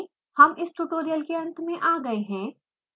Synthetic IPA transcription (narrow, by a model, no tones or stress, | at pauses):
hɐmʔɪsʈuʈoːɾijəlkeɐ̃nt̪mẽʔaːɡɐeɦɛ̃ː